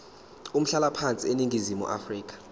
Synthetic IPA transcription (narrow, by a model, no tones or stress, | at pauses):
um̩ɬalapʰant͡sʼieniŋɡʱizimṵʔa̰friːk̬ʼḁ